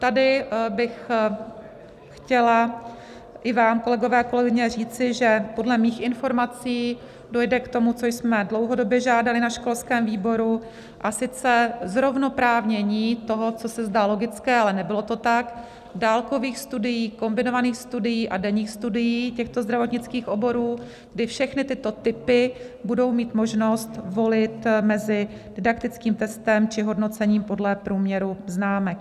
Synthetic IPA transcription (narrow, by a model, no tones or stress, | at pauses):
t̪adɪbɪx | xcɛla | ʔɪvaːmko̞lɛɡo̞vɛːako̞lɛɡɪɲɛr̝iːt͡sɪʒɛpo̞dlɛmiːxɪnfo̞ɾmat͡siː | do̞jdɛkt̪o̞mut͡so̞jsmɛdlo̞wɦo̞do̞bjɛʒaːdalɪnaʃko̞lskɛːmviːbo̞ɾu | ʔasɪt͡sɛzɾo̞vno̞pɾaːvɲɛɲiːt̪o̞ɦo̞t͡so̞sɛzdaːlo̞ɡɪt͡skɛːalɛnɛbɪlo̞t̪o̞t̪ak | daːlko̞viːxst̪udɪjiːko̞mbɪno̞vaniːxst̪udɪjiːʔadɛɲiːxst̪udɪjiːcɛxt̪o̞zd̪ɾavo̞t̪ɲɪt͡skiːxʔo̞bo̞ɾuː | ɡdɪfʃɛxnɪt̪ɪt̪o̞t̪ɪpɪ | budo̞wmiːt̪moʒnost̪vo̞lɪt̪mɛzɪ | d̥ɪdakt̪ɪt͡skiːmt̪ɛst̪ɛmt͡ʃɪɦo̞dno̞t͡sɛɲiːmpo̞dlɛpɾuːmɲɛɾuznaːmɛk̚